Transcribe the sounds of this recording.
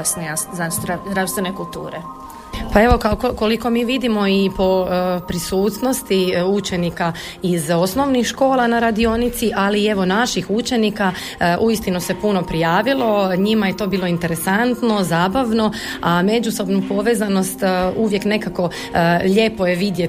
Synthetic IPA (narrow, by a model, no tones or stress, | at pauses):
snaaɾazd̪ɾafst̪ʋenekulˠt̪ṵːɾe | pae̞ʋo̞kaokoko̞liko̞miːʋid̪imo̞ipo̞pɾisuːt̪no̞st̪iut͡ʃe̞nika | izo̞sno̞ʋnixʃko̞ːlˠanaɾad̪io̞nit̪siʔalie̞ʋo̞naʃixut͡ʃe̞nika | ʔuist̪inuse̞puno̞pɾijaːʋilˠo̞ɲimaje̞t̪o̞ːbiːlˠo̞int̪e̞ɾe̞sant̪no̞zaːbaʋno̞ame̞d͡ʒuso̞bnupo̞ʋe̞ːzano̞st̪uʋje̞kne̞kako̞ | ʎe̞ːpo̞je̞ʋid̪je